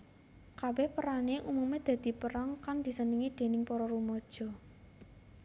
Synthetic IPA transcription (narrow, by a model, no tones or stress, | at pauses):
kabɛhpəɾaneʔumumed̪̥ä̤d̪̥i̤pəɾaŋkand̪̥i̤səniŋid̪̥e̤nɪŋpɔɾɔɾumɔd̥ʒ̥ɔ̤